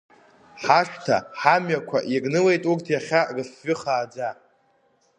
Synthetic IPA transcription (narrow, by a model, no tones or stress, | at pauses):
ħaʂtʰa̰ħamɥakʷʰa̰ʔiɡʼnɨle̞jtʼurtʰjaχʲarɨsɥʏχaːd͡za